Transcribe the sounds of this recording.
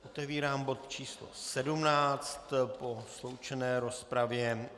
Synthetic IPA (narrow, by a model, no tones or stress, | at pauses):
ʔot̪ɛviːɾaːmbo̞t̪t͡ʃiːslo̰sɛdumnaːt͡st̪po̞slo̞wt͡ʃɛnɛːɾo̞spɾavjɛ